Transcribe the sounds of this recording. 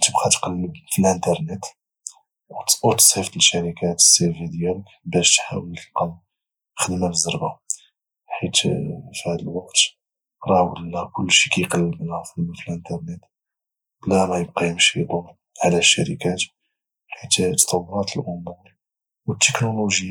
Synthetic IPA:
t̪əbqɑt̪qɑlːəbfilʔənt̪ɑɾˤnet̪ | wt̪ut̪sæft̪əʃæɾikæt̪ə̥sːefid̪jælkbæʃt̪ħa̰wəlt̪əlqɑl | xəd̪mæbəzːɑɾˤba | ħit̪fihæd̪əlwɑqt̪ | ɾˤɑwəlːækʊlːʃi̥kæjqɑlːəbnæfələfilʔənt̪ɑɾˤnet̪ | læmæjəb̚qɑjəmʃid̪u | ʕlæʃːæ̰ɾikæt̪ | ħit̪t̪ːt̪ˤɑwːʊɾˤɑt̪əlʕʊmuɾ | wət̪ːəknuluʒj

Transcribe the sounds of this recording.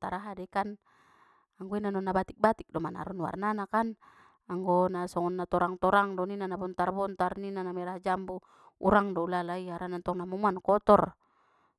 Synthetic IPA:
t̪aɾaɦadɛkan | aŋɡɔinanɔnːabat̪ik̚bat̪ik̚dɔmana̰ɾunwa̰rnanakan | aŋɡɔnasɔŋɔnːat̪ɔɾaŋt̪ɔɾaŋdɔninanabɔnt̪arbɔnt̪arninanamɛɾaɦad͡ʒambu | ṵɾaŋdɔulalaiaɾanant̪ɔŋnamumuankɔt̪ɔr

